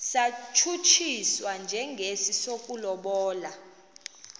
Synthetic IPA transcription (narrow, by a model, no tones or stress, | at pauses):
sat͡ʃʰut͡ʃʰiswand͡ʒʱɛŋɡʱesisokʼulɔɓɔːla